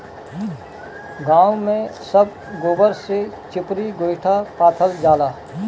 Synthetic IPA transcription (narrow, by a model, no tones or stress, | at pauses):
ɡãːwmẽsəb̚ | ɡoːbəɾse | t͡ʃɪpɾiɡoːɪʈʰapaːt̪ʰəld͡ʒaːlaː